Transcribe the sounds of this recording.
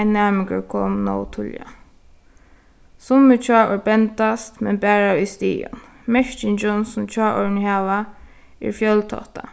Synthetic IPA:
naːmɪkə̰ɹkʰɔ̰mnɔ̰wt̪ʰʊlja̰ | sʊmːɪt͡ʃʰaːʔɔɹbɛnt̪ast̪mɛnbæːɹaist̪ḭːʊ̰n | mɛʃt͡ʃɪnd͡ʒɔnsʊmt͡ʃʰaːʔɔɹnhaːʋa | ɪ̰ɹfjœlt̪ʰɔ̰ht̪a̰

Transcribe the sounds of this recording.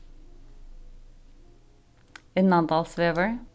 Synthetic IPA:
ennɑnd̪ɑːlsʋeːʋəɹ

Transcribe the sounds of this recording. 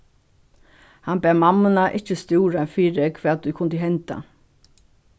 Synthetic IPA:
hanbæːmamːənaʔɪt͡ʃəst̪uːɾafiːɾəkʰʋɛːt̪̚d̪ukʰʊnd̪əɦɛnt̪a̰

